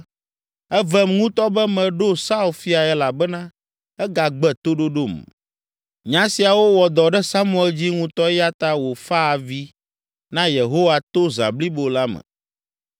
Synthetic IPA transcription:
ɛ˦vɛ˦mŋũ˦t̪ɔ˦bɛ˦mɛ̃˨ɖo˦sa˦u˨lfi˦a˨ɛ˦la˨bɛ˦nã˦ | ɛ˦ɡa˨ɡ͡bɛ˨t̪o˦ɖo˦ɖo˦˨m | ɲã˦si˨a˨wo˦wɔ˨d̪ɔ˨ɖɛ˦sa˦mũ˦ɛ˨ld͡ʑi˦ŋũ˦t̪ɔ˦ja˦t̪a˦wo˨fa˦˨vi˦ | nã˦je˨ɦo˦wa˨t̪o˦za̰˨bli˦bo˨la˦mɛ̰̃˨

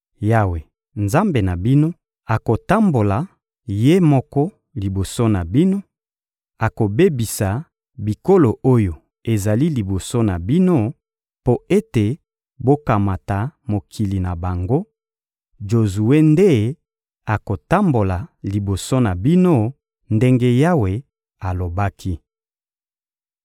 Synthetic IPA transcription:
ja˦˨we˨ | nza˦mbe˨na˨bi˦no˦ | a˨ko˨ta˦mbo˨la˨ | je˦mɔ˦kɔ˦ | li˨bo˨so˦na˨bi˦no˦ | a˨ko˨be˦bi˨sa˨ | bi˨ko˦lo˨ʔo˦jo˨ | e˨za˨li˦li˨bo˨so˦na˨bi˦no˦ | po˦e˦te˨ | bo˦ka˨ma˨ta˨mo˨kʰi˨li˨na˨ba˨ŋɡo˦ | d͡ʒo˨zu˨we˦nde˦ | a˨ko˨ta˦mbo˨la˨li˨bo˨so˦na˨bi˦no˦ | nde˦ŋɡe˦ja˦we˨ | a˨lo˨ba˦kʰi˦

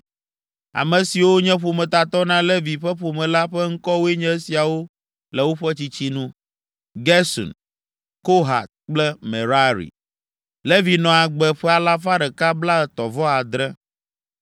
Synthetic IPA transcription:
a̰˨mɛ̃˨si˨wo˦ɲɛ̃˦ɸo˨mɛ̃˨t̪a˨t̪ɔ˦nã˦lɛ˦vi˨ɸɛ˦ɸo˨mɛ̃˨la˦ɸɛ˦ŋ̩˦kɔ˦wo˦e˦ɲɛ̃˦si˨a˨wo˦ | lɛ˨wo˦ɸɛ˦t͡ɕi˦t͡ɕi˦nũ˦ | ɡɛ˦sɔ̰˨n | ko˦ɦa̰˨t̪̚k͡plɛ˦me˨ɾa˦ɾḭ˨ | lɛ˦vi˨nɔ̃˨a˨ɡ͡bɛ˨ɸɛ˦a˨la˦fa˦ɖɛ˨ka˦bla˦˨t̪ɔ˨vɔ˦a˨d̪ɾɛ˦

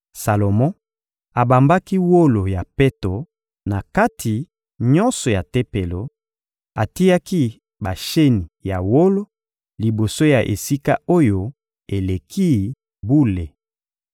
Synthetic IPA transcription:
sa˨lo˨mɔ̃˦ | a˨ba˨mba˦ki˦wo˦lo˨ja˨pe˦to˨ | na˨ka˦tʰi˨ | ɲɔ˦nsɔ˨ja˨te˦pe˨lo˨ | a˨ti˦a˦ki˦ | ba˨ʃe˦ni˨ja˨wo˦lo˦ | li˨bo˨so˦ja˨ʔḛ˨si˦ka˦o˦jo˦ | e˨le˨kʰi˦ | bu˦le˨

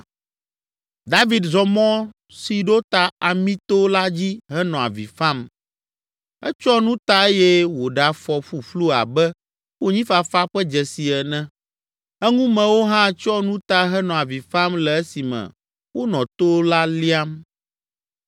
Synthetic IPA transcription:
d̪a˦vi˨d̪zɔ˨mɔ̃˦ | si˨ɖo˦t̪a˨a˨mĩ˦t̪o˦la˦d͡ʑi˦ɦɛ˦nɔ̃˨a̰˨vḭ˨fã˦m | ɛ˦t͡ʃɔ˦nũ˦t̪a˦e˦jɛ˦wo˨ɖa˨fɔ˨ɸu˨ɸlu˦a̰˨bɛ˦ | wo˦ɲĩ˦fa˨fa˦ɸɛ˦d͡ʒɛ˨si˨ɛ˨nɛ̃˦ | ɛ˦ŋũ˦mɛ̃˨wo˦ɦã˦t͡ʃɔ˦nũ˦t̪a˦ɦɛ˦nɔ̃˨a˨vi˨fa˦mlɛ˨ɛ˦si˨mɛ̰̃˨ | wo˦nɔ̃˨t̪o˦la˦li˦a˦m

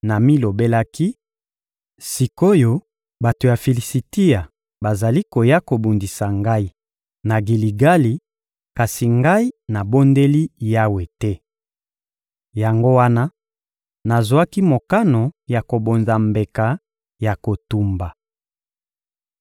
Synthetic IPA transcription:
na˨mi˦lo˨be˦la˦ki˦ | si˨ko˦jo˦ | ba˨to˨ja˨fi˨li˨si˨ti˦a˨ | ba˨za˨li˦ko˨ja˦ko˨bu˨ndi˨sa˨ŋɡa˦i˦ | na˨ɡi˨li˨ɡa˦li˨ | ka˨si˨ŋɡa˦i˦na˨bo˦nde˦li˦ja˦we˨tɛ˦ | ja˨ŋɡo˦wa˦na˦ | na˨zwa˦ki˦mo˨ka˦no˨ja˨ko˨bo˨nza˨mbe˨ka˨ | ja˨ko˨tu˦mba˨

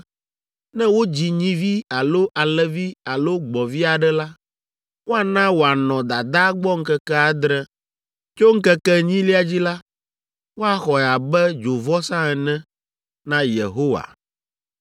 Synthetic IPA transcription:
nɛ̃˦wo˦d͡ʑi˨ɲĩ˦vi˦a˨lo˦ʔa˨lɛ˨vi˦a˨lo˦ɡ͡bɔ˨vi˦a˨ɖɛ˦la˦ | wo˦a˨nã˦wo˨a˨nɔ̃˨d̪a˨d̪a˦ɡ͡bɔ˦ŋ̩˦kɛ˦kɛ˦a˨d̪ɾɛ˦ | t͡ʃo˦ŋ̩˦kɛ˦kɛ˦ɲĩ˦li˦a˨d͡ʑi˦la˦ | wo˦a˨xɔ˨ɛ˨a˨bɛ˦d͡ʒo˨vɔ˦sã˦ɛ˨nɛ̃˦ | nã˦jḛ˨ɦo˦wa̰˨

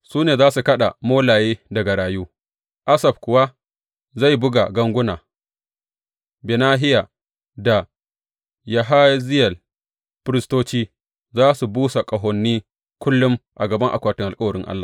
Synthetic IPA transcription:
suː˦neː˨zaː˦su˨kɐ˦ɗa̰˨moː˦laː˨jeː˦dɐ˨ɡa˨ɽaː˨juː˦ | ʔa˦sɐ˨b̚kʷʊ˨wa˦ | za˦˨jbʊ˦ɡa̰˨ɡɐ˦ŋɡʷʊ˦naː˨ | be˨naː˦ɦɪ˦ja˨ | da˨ | ja˨ɦa˦zɪ˦jɐ˨l | ɸɪ˦ɾɪ˦stoː˦t͡ʃiː˦ | zaː˦su˨buː˦sa˨kʼɐ˨ɦɔ˨nːiː˦ | kʷʊ˦lːʊ˦mʔa˨ɡɐ˨bɐ˦ŋʔa̰˨kʷaː˨tɪ˦ŋʔa˨kʼɐ˦wɐ˨ɾɪ˦ŋʔa̰˦lːaː˨

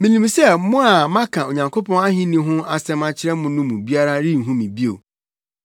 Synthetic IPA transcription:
mĩ˨nĩ˨m˨sɛ˦mʊ̃˦a˨mã˦kʰã˨o˨ɲã˨ŋkʰo˦pɔ̃˦na˦hĩ˦nĩ˦ɦʊ̃˦a˨sɛ̃˦mã˦t͡ɕʰɪ˦ɾɛ˦mʊ̃˨nʊ̃˦mũ˨bi˦a˦ɾa˦ɾi˦˨ɦũ˦mĩ˨bi˦o̰˨

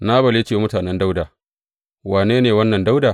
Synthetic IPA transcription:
naː˦bɐ˨le˦t͡ʃeː˦wa˨mʊ˦taː˨nɛ˦nda˦wdaː˨ | waː˨neː˦neː˨wɐ˦nːɐ˨nda˦wdaː˨

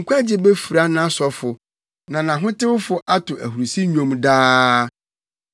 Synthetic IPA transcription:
ŋ̩˨kʷʰa˦d͡ʑɪ˦bɛ˦fi˨ɾa˦nã˦sɔ˨fʊ˨ | nã˨nã˨ɦʊ̃˦tɪ˦wʊ˦fʊ˨˦ʔa˦tʰʊ˨ʔæ̰˨hu˨ɾsi˦ɲᶣõ˨mdaː˦

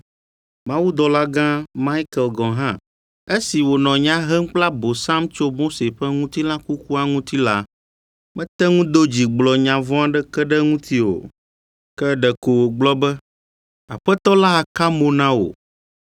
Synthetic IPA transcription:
mã˦wu˦d̪ɔ˨la˦ɡã˦ma˦i˦kɛ˨lɡɔ̃˨ɦã˦ | e˦si˨wo˨nɔ̃˨ɲã˦ɦɛ˦ŋ̩˦k͡pla˦bo˨sa˦mt͡ʃo˦mo˦se˨ɸɛ˦ŋũ˦t̪i˦lã˦ku˦ku˦a˦ŋũ˦t̪i˦la˦ | mɛ̃˦t̪ɛ˦ŋũ˦d̪o˦d͡ʑi˨ɡ͡blɔ˨ɲã˨vɔ̃˦a˦ɖɛ˦kɛ˦ɖɛ˦ŋũ˦t̪i˦wo̰˨ | kɛ˦ɖɛ˨ko˨wo˨ɡ͡blɔ˦bɛ˦ | a̰˨ɸɛ˦t̪ɔ˦la˦a˨ka˦mo˦nã˦wo̰˨

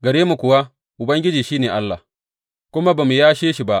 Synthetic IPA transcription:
ɡɐ˨ɽeː˦mu˨kʷʊ˨wa˦ | ʔʊ˨bɐ˦ŋɡʲɪ˦d͡ʒiː˨ʃiː˦neː˨ʔa˦lːa̰˨ | kʷʊ˦ma˦ba˨mu˨jaː˦ʃeː˦ʃi˨ba˦ʔ

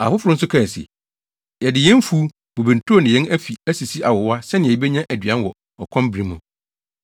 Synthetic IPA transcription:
a̰˨fʊ˦fʊ˨ɾʊ̃˦n̩˦sʊ˦kʰã˦˨n˨sḭ˨ | jɛ˨dɪ˨jɛ̃˦n˦fuː˦ | b̥o˨bĩ˨n˨tʰo˦o˦˨nɪ̃˨jɛ˦næ˦fi˨æ˦si˨si˦ʔa˨wɔ˨wa˦sɛ˦nɪ̃˨ɛ˨i˦be˦ɲã˦ʔæ˨dɥã˦n˦wɔ˨ | ɔ˨kʰɔ̃˦m˦bɾĩ˦mũ˨

